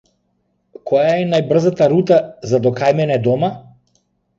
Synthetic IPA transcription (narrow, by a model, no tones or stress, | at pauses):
kɔjaɛnajbr̩zat̪aɾut̪azad̪ɔkajmɛnɛd̪ɔma